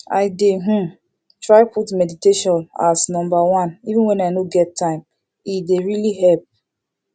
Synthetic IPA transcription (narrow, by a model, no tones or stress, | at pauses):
aɪdeɦũ | tɹaɪputmɛditeʃɔ̃na̰snɔ̃mbawãnivũnwɛ̃naɪnoɡɛtʰːãɪ̃m | ideɹiliɦɛlp̚